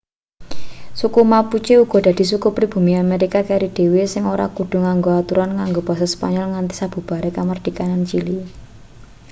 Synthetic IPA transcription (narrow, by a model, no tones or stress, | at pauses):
sukumaput͡ʃeuɡ̥ɔ̤d̥a̤d̪̥i̤sukupɾib̥ṳmiameɾikakaɾid̪̥e̤wesɪŋoɾa̰kuɖ̪̥ṳŋaŋɡoat̪uɾanŋaŋɡob̥a̤saspa̰ɲɔlŋant̪i̥sab̥ṳb̥a̤ɾekamard̪̥i̤kanant͡ʃili